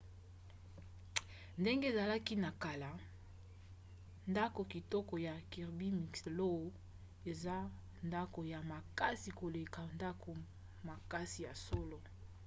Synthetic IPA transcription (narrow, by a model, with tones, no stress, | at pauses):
nde˦ŋɡe˦˨za˨la˦ki˦na˨ka˨la˨ | nda˦ko˨ki˨tɔ˦kɔ˨ja˨ki˨ʁbi˦mi˨kslo˦o˨ | e˨za˦ | nda˦ko˨ja˨ma˨ka˦si˨ko˨le˨ka˨nda˦ko˨ | ma˨ka˦si˨ja˨so˦lo˨